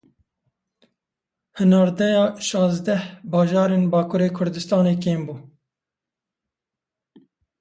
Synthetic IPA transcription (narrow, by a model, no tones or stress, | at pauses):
hɨnɑːɾd̪ɛjɑːʃɑːzd̪ɛhbɑːʒɑːɾeːnbɑːkʰuːɾeːkʰʊɾd̪ɨst̪ɑːneːkeːmbuː